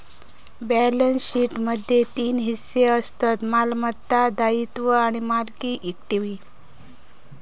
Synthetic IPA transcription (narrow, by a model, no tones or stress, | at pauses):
bɛlənsɕiʈməd̪ʱjet̪iːnɦisːeəst̪at̪malmət̪ːad̪ait̪ʋəaɽ̃imalkiʔikʈiʋi